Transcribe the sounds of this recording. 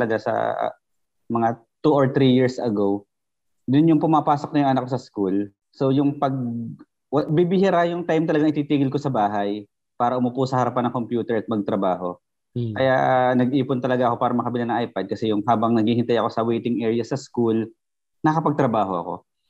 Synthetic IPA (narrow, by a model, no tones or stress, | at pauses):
lɐɡasɐ̰ | mɐŋa | t̪uʔoɹt̪ɾijiɹsɐɡo̞w | d̪ʊnjʊŋpʊmapaːsok̚nɐjʊŋʔɐnakːosɐskul | so̞jʊŋpɐɡ̚ | wɐbibɪhɪɾajʊŋt̪ajmt̪ɐlɐɡaŋʔɪt̪iːt̪iːɡɪlkosɐbaːɦɐj | paːɾɐʔʊmʊpuːsɐhɐɾɐpanːɐŋko̞mpjuːt̪ɛɹʔɐt̪̚mɐɡ̚t̪ɾɐbaːɦo̞ | kɐja̰nɐɡʔiːpont̪ɐlɐɡaʔɐko̞paːɾɐmɐkɐbɪlanɐŋʔajpɐd̪̚kɐsɛjʊŋɦaːbɐŋnɐɡiːhɪnt̪ajɐko̞sɐwɛjt̪ɪŋʔɛːɹɪjɐsɐskul | nɐkɐpɐɡ̚t̪ɾɐbaːho̞ʔɐ̰ko̞̰